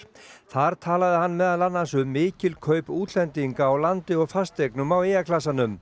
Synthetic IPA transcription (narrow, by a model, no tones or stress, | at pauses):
θaɾ̥t̪ʰaːlaðɪɦan̪ːmɛðalanːansʏmːɪːcɪlkʰœːɥpuːt̪lɛnt̪iŋkaːwlant̪ɪɔɣfast̪ejknʏmaweːjakʰlas̬anʏm